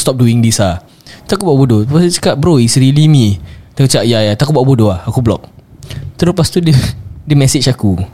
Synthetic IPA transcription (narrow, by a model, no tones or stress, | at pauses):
st̪ɔp̚duiŋdisa | t̪akubaʔbodopasut͡ʃə̥kaʔbɾoisɾilimĩt̪ət͡ʃaʔjajat̪akubaʔbodoahakublɔk̚t̪əɾopast̪udədəmɛsit͡ʃaku